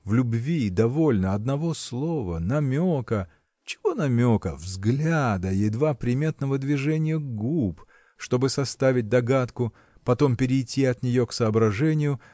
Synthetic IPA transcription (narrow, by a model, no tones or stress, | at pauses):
vlʲʊbvʲid̪ɐvo̞lʲnəɐd̪nɐvo̞slˠo̞və̰nɐmʲokə | t͡ɕɪ̥vo̞nɐmʲo̞kəvzɡlʲad̪əjɪd̪vapɾʲɪmʲe̞t̪nəvəd̪vʲɪʐɛnʲɪjəɡup | ʂt̪o̞bɨsɐst̪avʲɪt̚ʲd̪ɐɡat̪kʊ | pɐt̪o̞mpʲɪɾʲɪjtʲʰːiɐt̪nʲɪjo̞ksəːbɾɐʐɛnʲɪjʊ